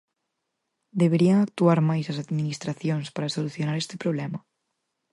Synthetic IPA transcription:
d̪eβ̞eɾiaŋak̚t̪uaɾmajsɐsaðminist̪ɾaθjoŋspaɾasoluθjonaɾest̪ɪpɾoβlɛmɐ

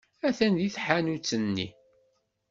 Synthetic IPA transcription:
æθænðiθħanut͡sːənːḭ

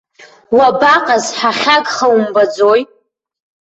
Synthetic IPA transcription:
wabaqʼazħaχʲaɡʼχawumbad͡zoj

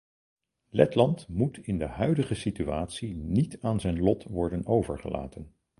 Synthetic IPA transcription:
lɛ̰tlɑntmutʰɪndəɦœɥdəχəsityaːtsinitaːnzɛjnlɔtʋɔɹdənowvə̰ɹχə̰la̰ːtən

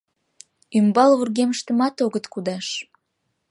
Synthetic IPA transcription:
ymbɑlβurɣeməʃt̪əmɑt̪oɣət̪kud̪ɑʃ

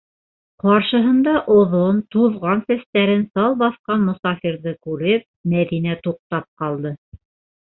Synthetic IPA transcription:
qɑɾʃɤ̆ɦɤ̆nd̪ɑʔŏðont̪uðʁɑnsæst̪æɾɘnsɑlˠbɑθqɑnmŏsɑfiɾðɤkʉɾɘp̚mæðinæt̪uq̚t̪ɑp̚qɑlˠd̪ɤ

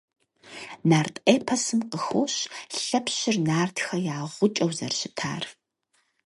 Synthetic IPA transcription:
naːrtʰʼeːpʰɐsɨmqəxoːɕɬɐpɕɪrnaːrtʰxɐjaːʁʷʊt͡ʃʼɐwzɐ̰rɕɪtʰa̰ːr

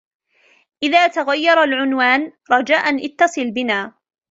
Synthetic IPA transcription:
ʔɪðaːt̪aɣajːɑɾˤalʕʊnwaːnɾˤɑd͡ʒaːʔanʔɪt̪ːɑsˤɨlbɪnaː

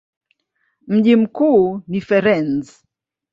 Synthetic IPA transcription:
m̩ʄim̩kuːnifɛɾɛnz

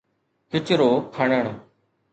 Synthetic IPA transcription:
kɪt͡ʃɾoːkʰəɳəɳ̃

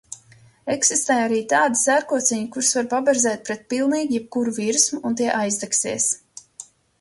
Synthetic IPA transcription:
eksist̪ɛːjaɾiːt̪aːd̪isæɾkuɔt̪siɲukuɾsvaɾpabɛɾzɛːt̪̚pɾɛt̪̚pilˠniːɡjɛp̚kuɾuviɾsmuunt̪iɛʔajzd̪ɛksiɛs

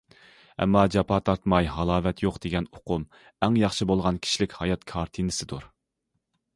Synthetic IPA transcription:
ɛ̰mːɑd͡ʒɑpʰɑːt̪ʰɑɾt̪mɑjɦɑlˠɑːvɛt̪ʰjoqd̪̥eɡʲɛnoqʊm | ɛŋjɑχʃɨbolˠʁɑnkʲʰi̥ʃilɪkʲhɑjɑt̪kʰɑɾt̪ʰinɨsɪd̪uɾ

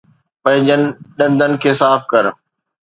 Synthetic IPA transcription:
pɐ̃ɦɪ̃ɲd͡ʑənɪ̆ɗɐ̃nd̪ʱənɪ̆kʰeːsaːfkɐɾ

